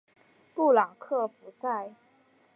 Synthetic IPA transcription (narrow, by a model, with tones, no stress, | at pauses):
t̪u˥˩lɑ˨˩ŋkʰɤ˥˩fu˧˥sa˥˩ɪ